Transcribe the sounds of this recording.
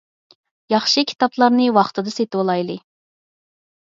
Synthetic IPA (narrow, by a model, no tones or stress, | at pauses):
jɑχʃɨkʲʰi̥t̪ɑplˠɑɾnɨwɑχt̪ɨd̪ɨset̪wolˠɑjlˠɨ